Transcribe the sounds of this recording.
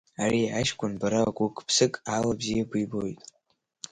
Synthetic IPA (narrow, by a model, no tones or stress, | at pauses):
ariaʃkʷʰʼʊnbaɾakʷʼukʼʰpʰsɨkʼalabzijabɨbojtʼ